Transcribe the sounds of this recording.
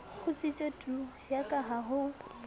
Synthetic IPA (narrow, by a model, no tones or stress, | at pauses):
k͡xʰʊt͡sʼit͡ʃʼotʼu | jakʼaɦaɦʊ